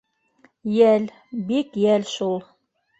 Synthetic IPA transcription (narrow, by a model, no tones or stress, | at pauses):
jæl | bikjælʃulˠ